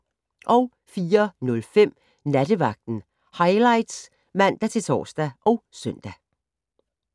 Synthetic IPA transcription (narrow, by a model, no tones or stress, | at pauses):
ʔɒʊ | fiːɐnɔ̽lfem̰ | næd̥əʋɑ̈ɡ̥̚d̥n̩ | hɑ̈ɪlɑ̈ɪd̥s | mæn̰d̥æt͡sʰe̝t͡sʰɒ̰ːsd̥æʔɒʊsœn̰d̥æ